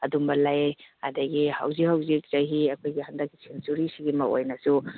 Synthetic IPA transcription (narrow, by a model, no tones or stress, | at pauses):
ɐdumbɐlaja̰daɡiha̰wzihawzik̚z̥ajɦiɐkʰojɡihand̪ɐk̚ːi̥sʰinsuɾisiɡimɐʔo̰jnasu